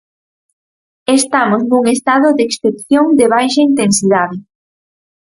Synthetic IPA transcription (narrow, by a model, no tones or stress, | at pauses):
est̪amoznuŋest̪aðʊðeksθepθjoŋd̪eβ̞ajʃɐint̪ensiðaðɪ